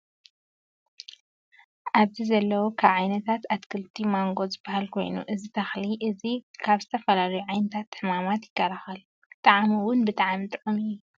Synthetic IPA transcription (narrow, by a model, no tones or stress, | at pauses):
ʔaβzizɐlːɐwokʰaβʕajnɐt̪ʰat̪at̪kʰɨlt̪ʰimaŋɡo̞t̪zɨbːahalkʰo̞̰jnṵʔɨzit̪ʰɐxliʔɨzikʰaβzɨt̪ʰɐfɐlalɐjuʕajnɐt̪ʰat̪ːħɨmamat̪jɪkːɐɾaxɐl | t̪ʼaʕamwʊnbɨt̪ʼaʕamt̪ʼʕumɨjːu